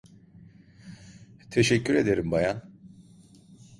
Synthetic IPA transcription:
t̪ʰeʃɛcʰːyɾe̞d̪eɾimbajan

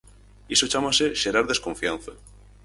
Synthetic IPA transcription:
isot͡ʃamaseʃeɾaɾðe̞skõ̞ɱfianθa

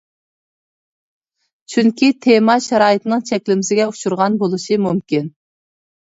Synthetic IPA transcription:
t͡ʃʰyŋkʲʰit̪ʰemɑʃɛɾɑːjɨt̪ɨnɨŋt͡ʃʰɛkʲlɪmɪsɪɡʲɛuʃuɾʁɑnbolˠuʃimumkʲin

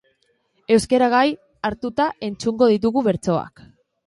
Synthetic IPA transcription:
e̞wske̞ɾaɣ̞aj | aɾt̪ut̪aʔe̞nt͡suŋɡo̞ð̞it̪̬uɣuβe̞ɾt͡so̞a̰k

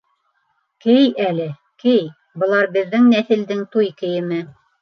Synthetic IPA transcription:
kɘjælɘ | kɘj | bɤ̆lˠɑɾbɘ̆ðːɘŋnæθɘ̆ld̪ɘŋt̪ujkɘ̆jɘ̆mɘ

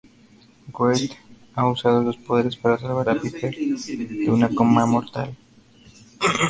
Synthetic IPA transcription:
ɡwet̪ | ausað̞olo̞spo̞ð̞eɾespaɾasalβaɾapipeɾd̪eunakomamo̞ɾt̪a̰l

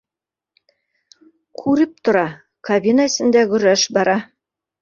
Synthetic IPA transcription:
kʰʉɾɘp̚t̪ŏɾɑ | kɐbʲinəɘ̆sɘ̆nd̪æɡɵ̆ɾæʃbɑɾɑ

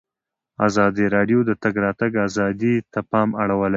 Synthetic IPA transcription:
ɑ̰zɑd̪iɾɑɖjod̪ət̪aɡɾɑt̪aɡɑzɑd̪it̪apɑmaɽawəla

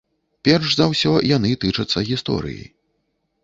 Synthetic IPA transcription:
pʲɛrʂzawsʲɔjanɨt̪ɨt͡ʂɐt̪sːɐɣʲist̪ɔ̰ɾɨ̰jḭ

